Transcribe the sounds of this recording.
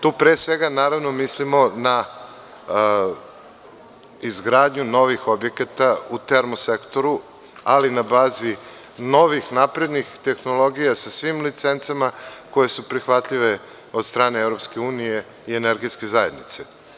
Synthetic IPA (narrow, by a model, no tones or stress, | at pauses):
t̪uːpɾesʋe̞ɡanaːɾaʋno̞mislimo̞na | izɡɾaːd̪ɲuno̞ʋixo̞bje̞kat̪aut̪eɾmosekt̪oɾu | alinabaːzi | no̞ʋixnapɾe̞d̪nixt̪e̞xno̞lˠo̞ɡijasasʋimlit̪se̞nt̪samako̞je̞supɾixʋat̪ʎiʋe̞ | o̞d̪st̪ɾaːneevɾopske̞uːnije̞ | ieneɾɡiske̞zaje̞d̪nit̪se